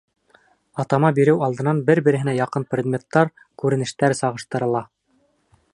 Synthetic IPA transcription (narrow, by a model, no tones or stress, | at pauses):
ɑt̪ɑmɑbiɾɘwɑlˠd̪ɤ̆nɑnbɘɾbɘ̆ɾɘ̆ɦɘ̆næjɑqɤnprʲed̪mʲet̪ːɑɾ | kʉɾɘ̆nɘ̆ʃt̪æɾsɑʁɤ̆ʃt̪ɤ̆ɾɤ̆lˠɑ